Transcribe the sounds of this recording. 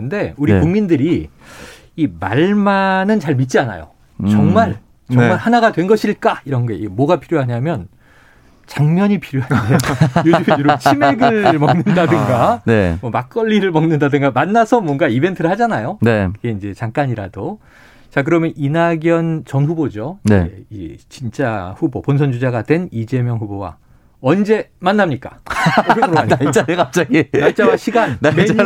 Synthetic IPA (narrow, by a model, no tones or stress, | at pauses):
nde̞uɾikuŋmindɯɾiː | ma̰ɭmanɯnt͡ɕaɭmit̚t͡ɕ͈iana̰jo̰ | t͡ɕʌŋmaɭ | t͡ɕʌŋmaɭhanaɡadwe̞nɡʌɕʰiɭk͈aiɾʌnɡʌeiɡmwʌɡapʰiɾjoɦaɲamjʌn | t͡ɕaŋmjʌɲipʰiɾjoɦaejoiiɾot͡ɕʰime̞ɡɭmʌŋnɯndadɯŋɡanemwʌmak͈ʌʎːiɾɯɭmʌŋnɯndadɯŋɡamanːasʰʌmwʌŋɡaibe̞ntʰɯɾɯɭhad͡ʑanajonekɯɡe̞ind͡ʑe̞t͡ɕaŋk͈aɲiɾado | t͡ɕak̬ɯɾʌmjʌninaɡjʌnt͡ɕʌnɸubod͡ʑoneiet͡ɕint͡ɕ͈aɸuboponsʰʌnd͡ʑud͡ʑaɡadwe̞nid͡ʑe̞mjʌŋɸubowa̰ | ʌnd͡ʑe̞manːamɲik͈ḁ̰ɾʌmɾaɲaaekap̚t͡ɕ͈aɡinat͡ɕ͈awaɕʰiɡanneme